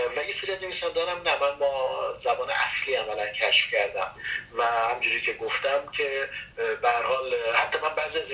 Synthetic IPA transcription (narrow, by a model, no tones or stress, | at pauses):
væjeseɾiæzne̞viːsænd̪ɒːnæmnæmænmɒːzæbɒːnḛʔæ̰sliːæmælæncʰæʃfcʰæɾd̪æmvæhæmd͡ʒuːɾiːcʰeɡoft̪æmcʲʰe̞behæɾhɒːlhæt̪ʰːɒːmænbæːziæz